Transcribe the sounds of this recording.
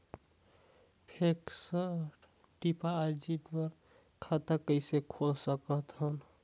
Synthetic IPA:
pʰeksə | ʈipaːd͡ʒiʈbəɾ | kʰat̪əkːəɪsekʰolsəkəɦt̪ɦən

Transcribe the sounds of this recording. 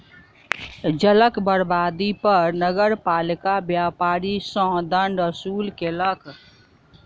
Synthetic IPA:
d͡ʒələkbəɾbaːd̪ipəɾnəɡəɾpaːlikabjapaːɾisə̃ɦd̪əɳɖəsuːlkelək

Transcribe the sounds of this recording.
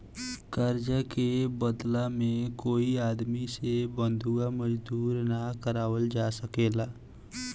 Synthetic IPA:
kəɾd͡ʒəkebəd̪lamẽkoːiaːd̪misebə̃nd̪ʱuaməd͡ʒd̪uːɾnakəɾaːwəld͡ʒaːsəkeːlaː

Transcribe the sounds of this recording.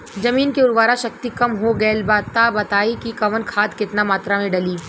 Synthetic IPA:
zɐmiːnkeʊɾʋaːɾaʃɐk̚t̪ikɐmɦoɡɐlbaːt̪abɐt̪aːikikɐʋənkʰaːt̪kɪt̪namaːt̪ɾamẽɖɐliː

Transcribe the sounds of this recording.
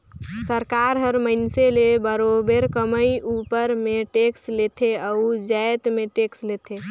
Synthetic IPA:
səɾkaɾɦəɾməɪnselebəɾobeɾkəməjupəɾmeʈekslet̪ʰeəud͡ʒəjt̪meʈekslet̪ʰe

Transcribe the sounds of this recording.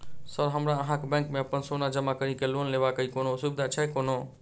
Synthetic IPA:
səɾɦəmɾaəɦãkebɛ̃ŋkmẽəpənsonad͡ʒəmakəɾikelonlebakəikonosubɪd̪ʱat͡ʃʰɛɦkono

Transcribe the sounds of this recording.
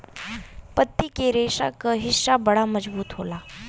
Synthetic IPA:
pət̪ːikeɾeːʃa̰kəɦɪʃːabɐɽaməd͡ʒbuːt̪ɦoːlaː

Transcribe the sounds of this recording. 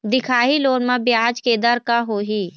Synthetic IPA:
d̪ɪkʰaːɦiloːnmãbjaːd͡ʒked̪əɾkaɦoːɦiː

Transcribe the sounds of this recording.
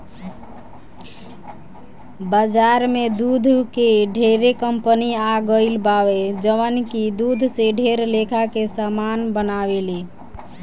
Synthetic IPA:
bad͡ʒaɾmed̪ud̪ʱkeɖʱeɾekəmpəniaɡəɪlbawed͡ʒəʋənkid̪ud̪ʱseɖʱeɾlekʰakesamanbənabele

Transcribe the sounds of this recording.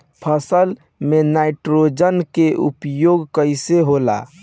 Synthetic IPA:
pʰəsəl | menaɪʈɾod͡ʒənkeʔṵpjoɡkəɪseɦola̰

